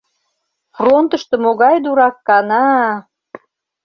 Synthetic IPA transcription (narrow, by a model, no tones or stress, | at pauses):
front̪ə̆ʃt̪ə̆moɣɑjd̪uɾɑkːɑnɑ